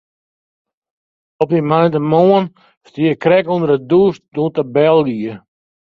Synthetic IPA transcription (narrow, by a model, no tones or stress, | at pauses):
ɔp̚dimajntəmoən | stiəkrɛkundərədusdutəbɛlˠɡiə